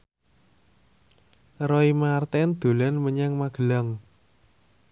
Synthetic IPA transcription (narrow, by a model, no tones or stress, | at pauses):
rɔimart̪ɛnd̪̥o̤lɛnməɲɛŋmaɡ̥əlaŋ